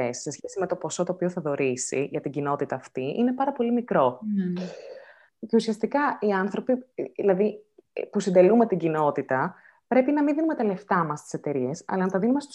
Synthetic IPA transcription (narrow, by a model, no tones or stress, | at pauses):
esːe̞sçe̞sime̞t̪o̞po̞so̞t̪oːpioθɐðo̞ɾisḭʝɐt̪iɟino̞t̪it̪ɐːft̪iʔine̞pɐɾɐpo̞limikɾo̞ | ce̞usiɐst̪ikɐiɐnθɾo̞piilɐðipusind̪e̞lume̞t̪iɟino̞t̪it̪ɐ | pɾe̞pinɐminðinume̞t̪ɐle̞ft̪ɐmɐst̪i̥se̞t̪e̞ɾie̞sɐ̰lɐnɐt̪ɐðinume̞st̪u̥